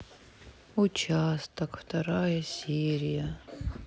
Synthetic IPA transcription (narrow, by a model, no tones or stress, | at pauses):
ʊt͡ɕast̪əkft̪ɐɾajəsʲeɾʲɪjə